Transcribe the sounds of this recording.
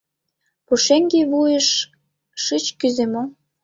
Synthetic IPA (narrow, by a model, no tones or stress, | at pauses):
puʃeŋɡeβujəʃː | ɯt͡ɕkyzemo